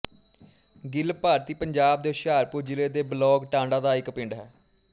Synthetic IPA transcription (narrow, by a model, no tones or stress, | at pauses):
ɡɪlpaːɾt̪iːpəɲd͡ʒaːb̚d̪eːʃaːɾpuːɾd͡ʒɪleːd̪eːblɔːɡʈãːɳɖãːd̪aːɪkpɪ̃ɳɖɦɛː